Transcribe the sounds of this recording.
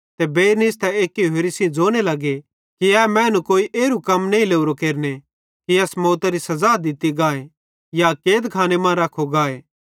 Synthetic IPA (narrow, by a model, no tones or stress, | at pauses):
t̪ebeːɾnist̪ɛeːkiɦeɾisĩd͡ʒoːñelɐɡe | kiɛːmɛ̃ːnũkoːiʔeːɾukɐmnɐĩleːʊɾokeːɾne | kiɐsmoːt̪aɾisɐzaːd̪ɪt̪iɡaːe | jakeːd̪kʰaːnemãːɾaːkʰoɡaːe